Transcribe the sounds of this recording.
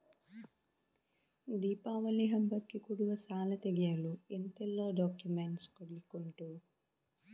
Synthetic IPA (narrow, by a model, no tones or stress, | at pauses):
d̪iːpaːʋɐlːiɦɐmbɐkːikuɽuʋɐsaːlɐt̪eɡjaluent̪elːo̞ːɖaːkjumeɳʈskoɽlikoɳʈu